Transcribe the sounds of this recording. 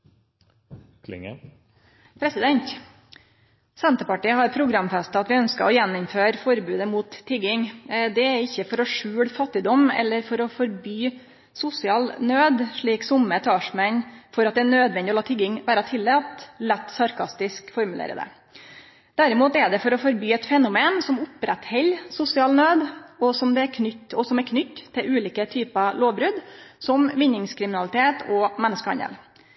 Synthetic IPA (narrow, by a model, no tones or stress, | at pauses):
kʰlɪ̰ŋ | pʰɾɛsɪd̪ɛnt̪ | sɛnt̪əpɑʈiːəhɑɾpʰɾʊɡɾɑmfɛst̪əɑt̪ʋɪœnskəɔjɛnːʊmføːɾfɔɾbʉːd̪əmuːt̪ʰːɪɡɪŋd̪ɛæɾɪçːəfɔɾɔʂʉːɽfɑt̪ːɪd̪ɔmɛ̰lːəɾfɔɾɔfɔɾbyː | sʊsɪɑːlnøːd̪ʂɭiːksʊmət̪ʰɑːʂmɛnfɔɾɑt̪̚d̪ɛænøːd̪ʋɛnd̪ɪɔlɑːt̪ʰʏɡɪŋʋæːɾɑt̪ʰɪlːɛt̪lɛt̪ːsɑɾkʰɑst̪ɪskfɔɾmʉlḛːɾəd̪ɛ̰ | d̪̥æɾɪmuːt̪ɛɖ̪ɛfɔɾɔfɔɾbyːɛt̪fɛnʊmeːnsɔmʊpɾɛt̪hɛlsʊsɪɑːlnøːd̪ɔsɔmd̪ɛæɾkʰnʏtːɔsɔmɛæɾkʰnʏt̪ʰːɪlʔʉːliːkət̪ʰyːpɑloːʋbɾʉd̪sɔmʋɪnːɪŋskʰɾɪmɪnɑlɪt̪ʰeːt̪ʰɔmɛnːəskəɑ̰nɛ̰l